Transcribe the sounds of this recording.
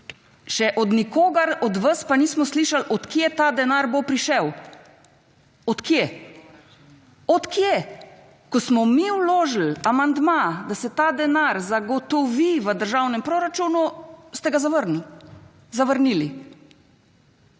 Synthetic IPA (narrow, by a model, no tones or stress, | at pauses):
ʃɛʔɔd̪nikoːɡaɾɔd̪ʋəspaniːsmɔsliʃalɔt̪kjet̪aːd̪ɛnaːɾbopɾiʃɛw | ɔt̪kje | ɔt̪kje | kɔsmɔmiwloːʒl̩amand̪mad̪asɛt̪aːd̪ɛnaɾzaɡɔt̪ɔʋiʋəd̪əɾʒawnɛmpɾoɾat͡ʃuːnust̪ɛɡazaʋəɾni | zaʋəɾnili